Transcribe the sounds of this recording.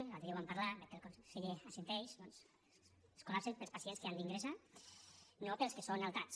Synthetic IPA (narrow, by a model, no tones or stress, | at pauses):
nalðewampaɾlabekelkonseʎeasent̪ɛjʃd̪ɔns | e̥skolapsempelˠspasienskeand̪iŋɡɾesa | nopelˠskesonalˠt̪at͡s